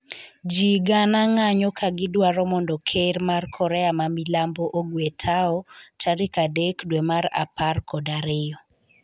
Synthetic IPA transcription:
d͡ʒiɡanaŋaɲɔkʰaɡɪdwaɾɔmɔndɔkʰeɾmarkʰɔɾɛamamilambɔʔoɡwetʰaɔtʰaɾikadekdwemaɾa̰parkʰɔdaɾɪjɔ

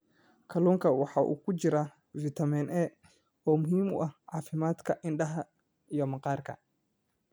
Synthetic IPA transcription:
kʰɐluːŋkʰɐwɑħɑːʔṵːkʰʊt͡ʃɪɾa | vɪt̪ʰɐmɛnʔɛː | ɔːmʊɦiːmʊ̰ʔɐhʕɑːfɪmaːd̪kʰɐʔɪnɖɐɦɐ | ijɔmɐqɑːrkʰɐ̰

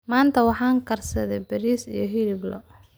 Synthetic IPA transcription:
maːnt̪ʰɐwɑħɑːŋkʰɐrsɐðɛbɐɾiːsḭjɞɦilɪblɔ̰

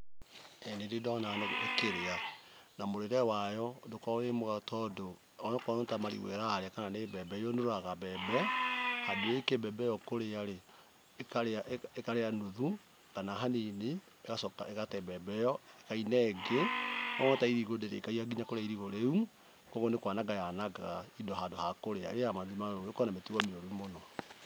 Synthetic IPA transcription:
ɛnendedɔnanoekeɾeanamoɾeɾɛwajɔdokɔɣemoɣatɔdo | ɔnɔkɔnotamaɾḭɣwḛɾaɾeakananebɛbɛjɔnoɾoaɣabɛbɛhadoekebɛbɛjɔkoɾeaɾe | kaɾeaekaɾeanoðu | kanaɦanine | eɣasɔka̰eɣatɛbɛbɛjɔekainɛɡeɔŋɔtaiɾiɣodeɾḛːkaiaɡiɲakoɾeaiɾiɣoɾeu | kɔɣɡonekwanaɡajanaɡaaidɔhadohakoɾea̰ɾejamaðimanooekɔnametiɣɔmeoɾumonɔ

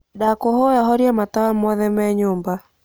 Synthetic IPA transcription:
dakɔɦɔjaɦɔɾjamat̪aamɔðɛmɛɲʊmba

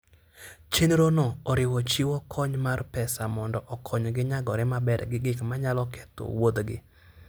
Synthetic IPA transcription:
t͡ʃenɾonoɔɾɪwɔt͡ʃiwɔkʰɔɲmarpɛsamɔndɔʔɔkʰɔɲɡɪɲaɡɔɾɪmabɛɾɡɪɡɪkmaɲalɔkʰɛ̥to̰wod̪ɡɪ̰

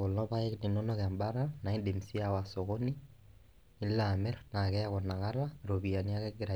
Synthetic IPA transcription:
olnɔβaekninɔnɔɣeambaɾanaindemsiawasoɣoni | ilamɛɾnakɛjaɣɔnaɣaɾaɾoβianiakɛɡeɾa

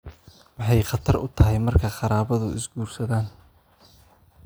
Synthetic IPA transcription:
wɑħɑjχɑt̪ʰɐrʊ̰t̪ʰɐɦɛjmɐrkʰɐqɑɾaːβɐðʊʔɪ̰sɡuːrsɐðaːn

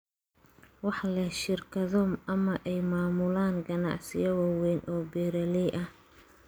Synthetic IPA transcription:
wɑħlɛʃɪrkʰɐðɔmɐmɐʔɛjmaːmʊlaːŋɡɐnɑ̰ʕsɪjɐwɑːwɛːnʔɔːbɛːɾɐlɛjʔɐh

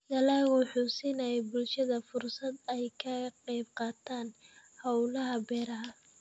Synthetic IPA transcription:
jɐlaːɣʊħʊsinɐjɛbʊlʃɐðɐfʊrsɐd̪ɛjkʰɐqɛjb̚qɑːt̪ʰaːnhɐwlɐɦɐbɛːɾɐɦɐ

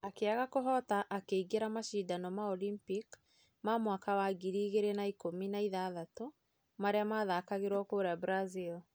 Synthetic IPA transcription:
akeaɣakoɦɔtaʔːkeiɡeɾamaʃidanɔmaɔlimpik | mamwakawaɡiɾiːɣeɾenaikominaiðaðato | maɾeamaðakaɣeɾwɔkoɾabɾazil

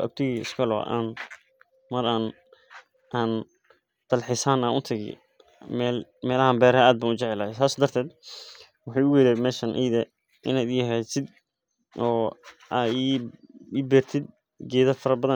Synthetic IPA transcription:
ɐ̰ɡ̚t̪ʰɪɣiːɪ̰skʰɐlɔ̰ːʔa̰ːn | mɐɾaːn | ʔaːn | d̪̥ɐlħɪsaːnaːnʔʊt̪ʰɐɣɪ̰ | mɛːlmɛːlɐhambɛːɾɐaːd̪̚baːnʊt͡ʃɛʕɛlaːɛsaːsɔːd̪ɐrt̪ʰɛːd̪ | wɑħɑːjʊɣɛlɛmɛːʃɐnʔḭːðɐ | ʔɪ̰naːd̪jɐɦɛjsɪd̪ | ɔːʔaːiː | bɛːrt̪ʰɪd̪̚ | ɡɛːðɐfɐɾɐbɐðɐ

